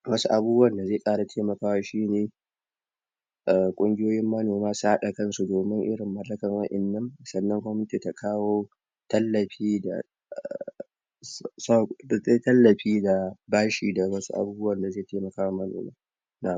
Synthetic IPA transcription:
wɐ˦su˦ʔa˨buː˦bʊ˦wɐ˦˨nda˨zeː˦˨sʼaː˦ɽa˨tʰeː˦mɐ˨kaː˦wa˦ʃiː˦neː˨ | ʔkʷʼʊ˦ŋɡʲɪ˦joː˦jɪ˦mːɐ˦noː˨maː˦sha˦ɗa˨kɐ˦nsu˨doː˨mɪ˦ŋʔɪ˦ɽɪ˨mːɐ˨lːɐ˦kɐ˨ŋwɐ˦ʔɪ˨nːɐ˦ŋsɐ˨nːɐ˦ŋkʷɔ˦mɪ˦nɪ˦ti˨ta˨kʰaː˦woː˦ | tɐ˦lːɐ˨ɸiː˦da̰˨ | sze˦tɐ˦lːɐ˨ɸiː˦da˨baː˦ʃiː˨da˨wɐ˦sṵ˦ʔa̰˨buː˦bʊ˦wɐ˨nda˨zeː˦˨teː˦mɐ˨kaː˦wa˦mːɐ˦no̰ː˨ma̰ː˦ | na˨

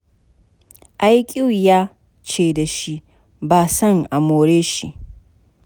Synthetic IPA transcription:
ʔa˦jkʲʼi˦wjaː˦ | t͡ʃeː˨da˨ʃi˦ | baː˨sɐ˦˨ŋʔa˨moː˨ɾeː˦ʃḭ˦ʔ

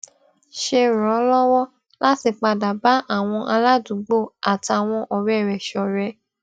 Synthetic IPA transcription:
ʃe˧ɾɔ̃˨˦lɔ˦wɔ˦ | la˦ti˧k͡pa˧da˨ba˨˦ʔa˦˨w̃ɔ̃˧ʔa˧la˦du˨˦ɡ͡bo˦˨a˨ta˨w̃ɔ̃˧ʔɔ˧ɾɛ˦˨ɾɛ˨ʃɔ˨ɾɛ˨˦

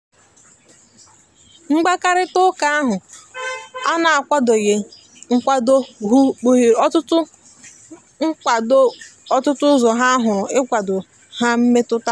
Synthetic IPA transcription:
ŋ͡m̩˦ɡ͡ba˦ka˦ɾɪ˦tʊ˦ka˦a˦ɦʊ˨ | a˦na˨a˨kʷa˦do˨je˨ | ŋ̩˦kʷa˦do˦ɦu˦˨ɔ˦tʊ˦tʊ˦ | ŋ̩˦˨dɔ˦tʊ˦tʊ˦zɔ˨ɦa˦ɦʊ˨ɾʊ˨ɪ˦kʷa˨dʊ˨ | ha˦m̩˦me˦tʊ˦ta˦

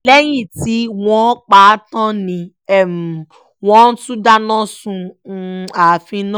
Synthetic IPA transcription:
lɛ˦j̃ĩ˦˨ti˨˦wɔ̃˦k͡pa˦˨˦tã˦nĩ˧ | ɛ˨m˨ | wɔ̃˦n̩˦tũ˦da˦nɔ̃˦sũ˧ | a˨fĩ˧nɔ̃˦

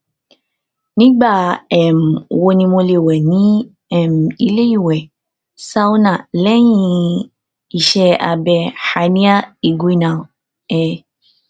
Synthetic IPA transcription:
nĩ˨˦ɡ͡ba˦˨ɛ˨m̩˨wo˧nĩ˧mõ˧le˨wɛ˨nĩ˨˦ | ɛ˦˨m̩˨i˧le˦i˦˨wɛ˨ | sa˦u˦nã˦˨lɛ˦jĩ˧ | i˦˨ʃɛ˧˦a˧bɛ˧ha˨˦nĩ˦a˦e˨ɡu˨˦i˦nã˨ | ɛ˧˦

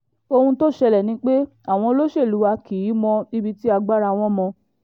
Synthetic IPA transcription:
o˧hũ˧to˦˨ʃɛ˧lɛ˨nĩ˨˦k͡pe˦ | a˨w̃ɔ̃˧lo˦ʃe˦˨lu˨˦wa˧ki˨ji˨˦mɔ̃˧i˦bi˦ti˦a˧ɡ͡ba˦ɾa˧˨w̃ɔ̃˧˦mɔ̃˧

